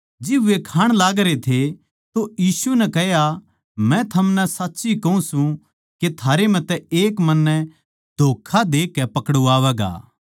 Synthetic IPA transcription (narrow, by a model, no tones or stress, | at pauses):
d͡ʒɪbʋekʰaːɽ̃laːɡɾet̪ʰe | t̪ojiːsunɛkɛɦja | mɛ̃t̪ʰɐmnɛsatːʃikɐũsũ | ket̪ʰaːɾem̤ɛ̃t̪ɛeːkmɐnːɛ | d̪ʱoːkʰad̪eːkːɛpɐkɽuaːʋɛːɡa̰ː